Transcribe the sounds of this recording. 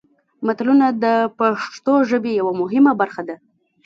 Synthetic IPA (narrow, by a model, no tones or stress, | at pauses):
mat̪lunad̪əpaʂt̪oʒəbejawamʊɦɪmabaɾxad̪a